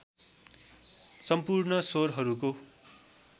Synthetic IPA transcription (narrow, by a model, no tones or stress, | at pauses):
sʌmpurnʌsoɾɦʌɾuko